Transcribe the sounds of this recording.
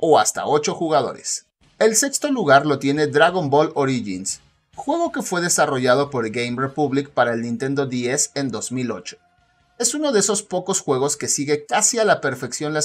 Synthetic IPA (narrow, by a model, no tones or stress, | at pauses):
o̞ast̪a̰o̞t͡ʃo̞xuɣaðo̞̰ɾe̞̰s | e̞lse̞kst̪o̞luɣaɾlo̞t̪je̞ne̞d̪ɾaɣo̞mbo̞lo̞ɾiʝins | xwe̞ɣo̞ke̞fwe̞ð̞e̞saro̞ʝað̞o̞po̞ɾɡejmrepuβlik̚paɾaelnĩnt̪e̞nd̪o̞ðiese̞nd̪o̞zmilo̞̰t͡ʃo̥ | e̞suno̞ðeso̞spo̞ko̞sxwe̞ɣo̞ske̞siɣe̞kasialape̞ɾfe̞ksjo̞nla